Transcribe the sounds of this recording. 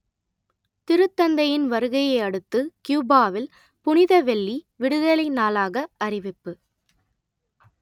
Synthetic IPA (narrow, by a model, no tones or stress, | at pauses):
t̪ɪɾɯt̪ːɐnd̪ɐjɪnʋɐɾɯɣɐjɐɪɐɽɯt̪ːɯkjuːbaːʋɪl | pʊnɪðɐʋɛɭːi | ʋɪɽɯðɐlɐɪnaːlaːɣɐɐrɪʋɪpːɯ